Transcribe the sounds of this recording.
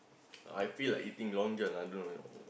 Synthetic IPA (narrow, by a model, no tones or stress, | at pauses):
a̰jfilaʔit̪ĩŋlɔ̃ŋd͡ʒənãdu